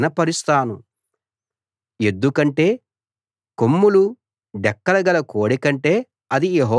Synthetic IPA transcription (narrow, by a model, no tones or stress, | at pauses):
nɐpɐɾist̪aːnu | e̞d̪ːukɐɳʈe̞ː | komːulu | ɖɛkːɐlɐɡɐlɐkoːɽikɐɳʈe̞ː | ɐd̪ijeɦɔː